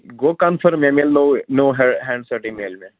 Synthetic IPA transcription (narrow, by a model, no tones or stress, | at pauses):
ɡoːkanfəɾmẽmelnonoːɦɛɦɛ̃ːɳɖsɐʈimeːlmẽ